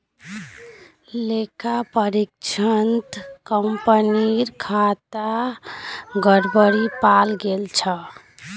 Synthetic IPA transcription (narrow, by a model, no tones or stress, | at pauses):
lekapəɾikt͡ʃʰənt̪kəmpəniɾkʰat̪a | ɡəɽbəɽipalɡelt͡ʃʰə